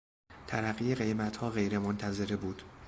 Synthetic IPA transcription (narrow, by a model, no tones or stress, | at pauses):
t̪ʰæɾæɣijeɣe̞jmæt̪hɒːɣe̞jɾe̞mont̪ʰæze̞ɾebuːd̪̥